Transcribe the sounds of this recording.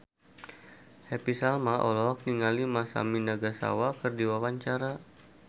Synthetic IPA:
hɛpisalmaʔolɔɦak̚niŋalimasa̰minaɡasa̰wakərdiwawaɲt͡ʃaɾa

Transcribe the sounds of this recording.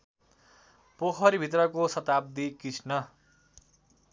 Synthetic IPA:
poɦʌɾibʱit̪̬rʌkosʌt̪ab̚d̪ikit͡sʰnʌ

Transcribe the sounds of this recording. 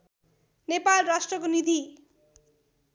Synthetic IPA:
nepalrasʈrʌkonid̪ʱi

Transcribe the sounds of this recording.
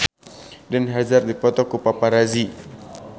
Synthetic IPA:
danɦad͡ʒardipɔt̪ɔkupapaɾazi

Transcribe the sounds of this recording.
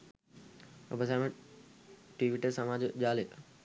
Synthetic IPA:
ə̰bəsamẽ | ʈiʋiʈesəmad͡ʑd͡ʑaːle

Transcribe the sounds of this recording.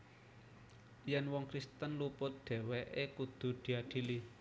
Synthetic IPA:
jɛnwɔŋkɾist̪ənlupʊt̪̚d̪̥e̤weʔekud̪̥ṳd̪̥i̤aɖ̪̥i̤li

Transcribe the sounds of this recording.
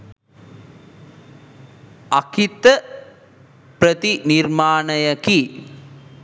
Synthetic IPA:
akit̪ə | prət̪inirmaːnəjəki

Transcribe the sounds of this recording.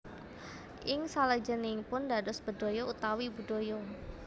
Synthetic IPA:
ʔɪŋsaləd͡ʒənɪŋpʊndadɔsb̥ədojout̪awibud̥ojo

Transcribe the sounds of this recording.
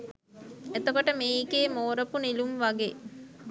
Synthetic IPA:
et̪okoʈəmeiːkeːmoːɾəpunilumʋaɡeː

